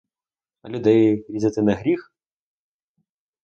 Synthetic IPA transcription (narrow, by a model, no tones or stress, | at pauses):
ɐ̰lʲud̪ɛjɾʲizʲɛt̪ɨnɐɣɾʲix